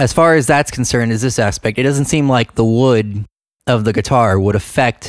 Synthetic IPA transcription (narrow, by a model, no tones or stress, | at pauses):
ɨz̥fɑɹɨzðætskʰn̩sɜ̃˞ndɨzðɪsæspɛk̚tɨt̚d̥ʌzn̩tsĩmlaɪk̚ðəwʊɾ | ʌvðɨɡɨtʰɑɹwəɾɨfɛk̚t